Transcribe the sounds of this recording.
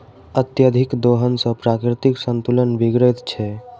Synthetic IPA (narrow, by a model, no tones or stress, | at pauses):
ət̪jəd̪ʱikd̪oɦənsə̃pɾakɾit̪iksənt̪ulənbiɡɾət̪t͡ʃʰɛ